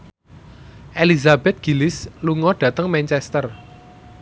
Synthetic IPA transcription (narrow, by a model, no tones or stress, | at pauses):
ʔelizab̥ɛt̪̚ɡ̥i̤lɪsluŋɔɖ̥ä̤t̪əŋmɛnt͡ʃɛst̪ər